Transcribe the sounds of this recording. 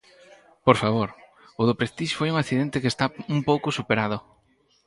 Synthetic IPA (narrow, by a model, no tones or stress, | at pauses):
poɾfaβ̞oɾ | ʊðʊpɾest̪iʃfojuŋakθiðent̪ekest̪aumpowkʊsupeɾaðʊ